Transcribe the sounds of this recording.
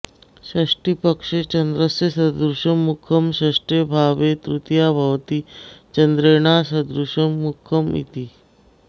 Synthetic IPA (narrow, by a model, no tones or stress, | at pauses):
ɕaʂʈipəkʂet͡ɕənd̪ɾəsəsəd̪ɾuʂəmːukʰəmɕəʂʈebʱaʋet̪ɾut̪jabʱəʋt̪iːt͡ɕənd̪ɾeɳ̃asəd̪ɾuɕəmːukʰːəmḭt̪iː